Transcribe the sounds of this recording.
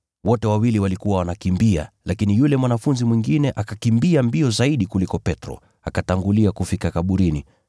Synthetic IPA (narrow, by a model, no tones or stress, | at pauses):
wɔtɛwawiliwalikuwawanakimbia̰lakinijulɛmwanafunzimwiŋɡinɛʔakakimbiambiɔzaiɗikulikɔpɛtɾɔ̰ | akataŋɡuliakufikakaɓuɾini